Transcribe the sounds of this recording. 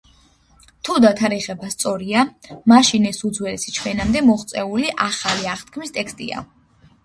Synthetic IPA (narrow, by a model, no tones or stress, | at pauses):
t̪ʰud̪at̪ʰaɾɛʁɛbast̪sʼɔɾiamaʃinɛsud̪zwɛlɛsi̥t͡ʃʰwɛnamd̪ɛmɔχt̪sʼɛuliʔaχaliaʁt̪̚ʰkʰmist̪ʼɛkst̪ʼḭa̰